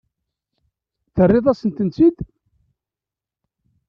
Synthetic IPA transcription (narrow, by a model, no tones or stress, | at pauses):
θərːɪðˤæsənt̪ənt͡sid̪